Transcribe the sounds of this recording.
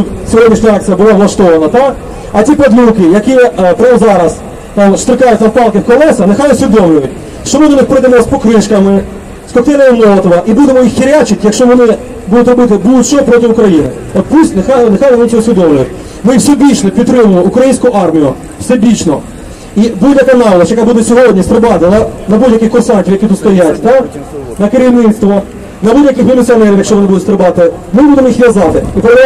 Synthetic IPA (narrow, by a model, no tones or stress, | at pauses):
t̪ut̪sʲɔjɛmʲist̪ɑk̚t͡sʲijɐbʊlˠɑʋlˠɐʃt̪ɔʋɐnɐt̪ɑk | ɐtʲipɐd̪lʲukɪjɐkʲip̪ɾɑwzɑɾɐs | t̪ɑmst̪ɾɪkɑjʊtʲzɐwkɑlˠkɪwkɔlˠɛsɐnexɑjɔsʲʋʲid̪ɔmlʲʊʋɐtʲ | ʃt͡ʃɔmɪd̪ɔnɪxpɾɪd̪emɔɔspɔkɾɪʃkɐmɪ | skɔkt̪ɛnɐilˠɔlˠɐt̪ɔʋɐʔibud̪emɔjixːiɾʲat͡ʃɪtʲjɐkʃt͡ʃɔʋɔnɪ | bud̪ʊt̪ʲrɔbɪt̪ɪbud̪ʊt̪ʲt͡ʃɔɦɔpɾɔt̪ɪʊkɾɐjinɪ̰ɔpusʲtʲnexajnexɑjlnnit͡ʃʲɔɔsʲʋʲid̪ɔmlʲʊjʊtʲ | mɪwsʲɛbʲit͡ʃnɔpʲid̪t̪ːɾɪmʊlˠɔukɾɐjinʲsʲkʊʔɑrmʲijʊ | wsʲɛbʲit͡ʃnɔ | ibudʲjɐkɐnɑʋlˠɐsʲjɐkabud̪ɛsʲɔɦɔdʲnʲisp̪ɾɪbɑt̪ɪlˠɐnɐbudʲjɐkɪxkʊrsɑnʲtʲiwjɐkʲit̪ut̪st̪ɔjatʲt̪anɐkeɾʲiwnɪt̪st̪ʋɐ | nɐbudʲjɐkɪxmʲilʲɪt͡sʲiɔnɛɾʲiwjɐkʃt͡ʃɔʋɔnɪbud̪ʊtst̪pɾebɑt̪ɪ | mɪbud̪emɔjixʋʲjɐzɑt̪ɪipeɾd̪